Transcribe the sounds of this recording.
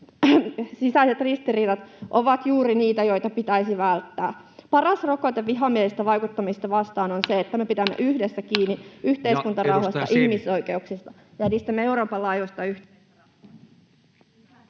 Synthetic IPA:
sisæiset̪rist̪iriːdɑt̪ʔoʋɑt̪juːɾiniːt̪æjo̞it̪ɑpit̪æisiʋælt̪ːæː | pɑrɑsrokot̪eʋʋiɦɑmielist̪æʋɑjkut̪ːɑmist̪ɑʋɑst̪ɑːnonseet̪ːæmepit̪æmːḛʔyhdesːækiːnːiyht̪e̞iskunt̪ɑrɑuhɑst̪ɑ̰ʔihmiso̞ike̞uksist̪ɑ | jɑniːst̪æmːeeuɾo̞ːpɑlːɑːjosʲt̪ɑyh

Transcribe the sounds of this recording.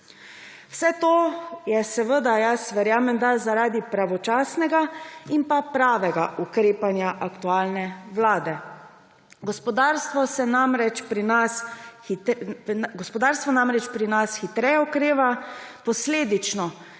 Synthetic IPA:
wsɛt̪oːjɛsɛʋəd̪ajasʋɛɾjaːmɛnd̪azaɾaːd̪ipɾaʋɔt͡ʃaːsnɛɡaimpapɾaːʋɛɡaʔukɾeːpanjaʔakt̪uaːlnɛʋlaːd̪ɛ | ɡɔspɔd̪aːɾst̪ʋɔsɛnamɾɛt͡ʃpɾinas | ɡɔspɔd̪aːɾst̪ʋɔnamɾɛt͡ʃpɾinasxit̪ɾɛjɛɔkɾeːʋapɔsleːd̪it͡ʃnɔ

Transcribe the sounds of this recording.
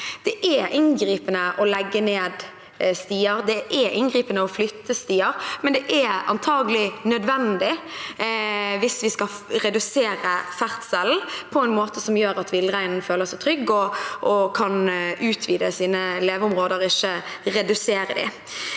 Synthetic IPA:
d̪̥ɛʔɛɪnɡɾiːpənəʔɔlɛɡːəneːd̪ | st̪iːəɾd̪ɛɛɪnɡɾiːpənəɔflʏt̪ʰːəst̪iːəɾmɛnd̪ɛʔɛɑ̰nt̪ʰɑːɡəlɪnœd̪ʋɛnd̪ɪ | ʋɪsʋɪskɑɾɛd̪ʉseːɾəfæʁt̪sɛln̩pʰɔɛɪnmoːt̪əsɔmjøːɾɑt̪ʋɪlːʁæɪnnføːləsɛɪt̪ʰɾʏɡːɔʔɔkʰɑnʉːt̪ʰʋiːd̪əsiːnəleːʋəʊmʁoːd̪əɾɪʃːəɾɛd̪ʉseːɾəd̪ɪ̰

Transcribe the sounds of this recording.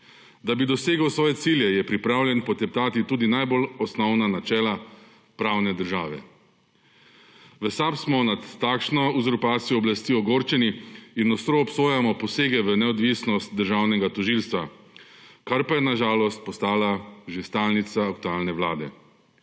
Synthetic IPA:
d̪abid̪ɔseːɡəwsʋɔːjɛt̪siːljɛjɛpɾipɾaːwljɛnpɔt̪ɛp̚t̪aːt̪it̪uːd̪inajbolɔsnɔwnanat͡ʃɛːla | pɾawnɛd̪əɾʒaːʋɛ̰ | ʋəsapsmɔnat̪ːakʃnɔuzɔɾpaːt̪sijɔːblast̪iːɔɡoːɾt͡ʃɛniinːɔst̪ɾɔːpsoːjamɔpɔseːɡɛʋənɛɔd̪ʋisnɔst̪̚d̪əɾʒawnɛɡat̪ɔʒilst̪ʋa | kaɾpajɛnaʒaːlɔst̪̚pɔst̪aːlaʒist̪aːlnit̪saːk̚t̪ualnɛʋwlaːd̪ɛ̰

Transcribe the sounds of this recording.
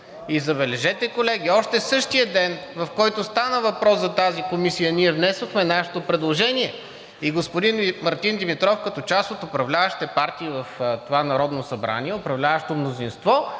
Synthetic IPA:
izɐbɛlɛʒɛt̪ɛkolɛɡʲiɔʃt̪ɛsɤʃt̪ijəd̪ɛnvɐfkɔjt̪ost̪anəvɐpɾɔszɐt̪azikomisijəniɛvnɛsvoxmɛnaʃɛ̥t̪opɾɛd̪lˠoʒɛniɛ | iɡospʊd̪inmɐɾt̪ind̪imit̪ɾɔfkɐt̪ɔt͡ʃast̪ot̪opɾɐvlʲavɐʃi̥t̪ɛpaɾt̪iːvɐft̪ovanɐɾɔd̪nosɐbɾa̰niɛopɾɐvlʲavɐʃi̥t̪omnozinst̪vɔ

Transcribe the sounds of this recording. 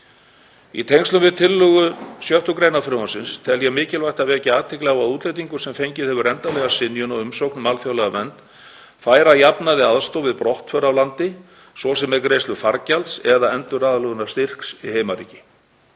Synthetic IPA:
ḭt̪ʰejŋkst̪ʏmvɪðt̪ʰɪlːʏɣʏsjœht̪ʏkɾeːjnafɾʏːwansɪnst̪ʰɛljɛmɪːcɪlvajht̪avɛːcɪaːt̪ʰɪhklɛɣaðuːt̪lejt̪̬iŋkʏ̥sɛmfejɲcɪðhɛvʏɾɛnt̪alɛːɣasɪnjʏnɔɣʏmsowknmaːlfjowlɛɣamɛnt̪ | faːjɾajapnaðɪaðst̪owvɪðpɾɔht̪fœɾawlant̪ɪ | svɔsɛmɛɾkɾejst̪ʏfaɾcalt̪sɛðaɛnt̪ʏɾaːðlœɣʏnḁst̪ir̥ksḭɦejmaɾḭːcɪ

